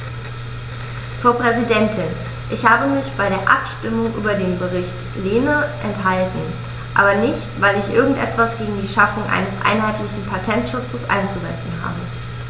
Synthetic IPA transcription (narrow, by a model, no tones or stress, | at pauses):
fʁ̥aʊpʁ̥ɛzidɛntʰɪn | ʔɪçhaːbəmɪçb̥aɪɾeːɐʔa̰pʃtɪmʊŋʔyːbɐdeːnbəʁ̞ɪçt | leːnəʔɛnthaltn̩ | ʔaːbɐnɪçtv̥aɪlɪçʔɪɐɡŋ̩tʔɛ̰tv̥asɡ̥eːɡŋ̩diːʃafʊŋʔa̰ɪnəsʔa̰ɪnɦaɪtlɪçn̩pʰatʰɛntʃʊt͡səsʔa̰ɪnt͡suvɛ̰ntn̩ɦa̰ːbə